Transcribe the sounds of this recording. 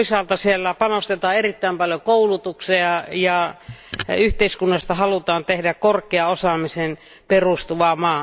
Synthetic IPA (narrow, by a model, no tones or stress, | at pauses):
isɑːlt̪ɑsielːæpɑnost̪et̪ɑːerit̪ːæˑimpɑljokoulut̪ukseɑjɑ | yht̪eiskunːɑst̪ɑhɑlut̪ɑːnt̪ehdækkorkˑeɑosɑmisen | perust̪uʋɑmɑː